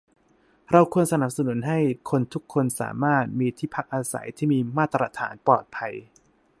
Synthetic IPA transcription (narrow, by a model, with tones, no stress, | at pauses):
ɾa˧wkʰu˧ənsa˧na˨˩p̚sa˨nu˨˩˦nɦa˥˩jkʰo˧nt̪ʰu˦˥kʰːo˧nsa̰ː˩˦maː˥˩t̪̚miː˧t̪ʰiː˥˩pʰa˦˥k̚ʔaː˧sa̰˩˦jt̪ʰiː˥˩miː˧maː˥˩t̪ɾʔa̰˧˥t̪ʰa̰ː˩˦npɔː˨˩t̪̚pʰa˧j